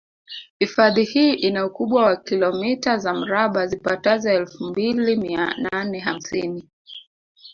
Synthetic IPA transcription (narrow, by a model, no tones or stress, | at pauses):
hifaðihiːʔinaukuɓwawakilɔmitazam̩ɾaɓazipatazɔɛlfumbilimiananɛɦam̩sini